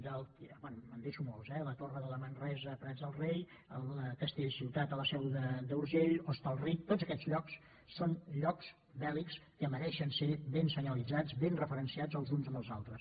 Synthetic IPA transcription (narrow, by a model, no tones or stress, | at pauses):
d̪əlˠkbɛnmənd̪eʃumɔlˠzɛlət̪orəðələmənrɛzəpɾɛzðəlˠrej | əlˠəkəst̪eʎsiwt̪at̪ələsɛwðəd̪əuɾʒeʎost̪əlˠrik̚t̪ozəkɛd͡zʎɔks | sonʎɔks | bɛlikskəməɾɛʃənseβensəɲəlid͡zad͡zβenrəfəɾənsiad͡zəlˠzunzəməlˠzalˠt̪ɾəs